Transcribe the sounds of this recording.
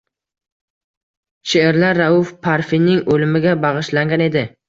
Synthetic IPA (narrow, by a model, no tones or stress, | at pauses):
ʃeːɾlaɾːaʊfpʰaɾfinɪŋʔolɪmɪɡʲabɑʁɨʃlaŋɡʲane̞d̪ɪ